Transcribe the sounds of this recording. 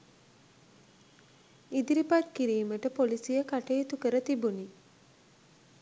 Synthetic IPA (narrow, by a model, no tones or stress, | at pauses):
id̪iɾipat̪kiɾiːməʈəpolisijəkaʈejːt̪ukəɾət̪ibuni